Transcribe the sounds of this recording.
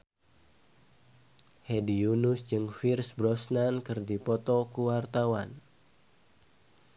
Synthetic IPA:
hediunusd͡ʒɨŋfirsbɾɔsnankɨrdipɔt̪ɔkuwart̪awan

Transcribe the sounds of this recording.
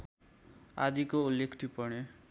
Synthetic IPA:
a̰d̪ikoulːekʰʈ̪ʰipʌɽ̃e

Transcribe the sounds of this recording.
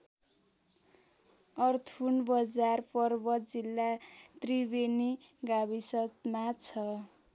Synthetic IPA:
ʌrt̪ʰunbʌd͡zarpʌrbʌt̪d͡zilːat̪ribeniɡabisʌt̪mat͡sʰʌ

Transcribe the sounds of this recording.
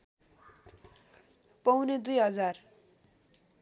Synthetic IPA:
pʌwned̪ujɦʌd͡zar

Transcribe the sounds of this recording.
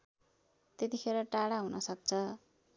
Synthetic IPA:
t̪et̪ixʰeɾʌʈaɽaɦunʌsʌk̚t͡sʰʌ

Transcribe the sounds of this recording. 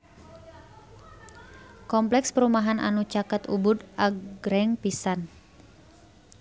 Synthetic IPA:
kɔmplɛkspəɾumaɦanʔa̰nut͡ʃakat̪ṵbud̪ʔaɡɾɛŋpisan

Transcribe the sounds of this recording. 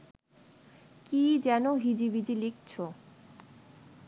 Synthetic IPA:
kid͡ʑɛnoɦid͡ʑibid͡ʑilikt͡ɕʰo

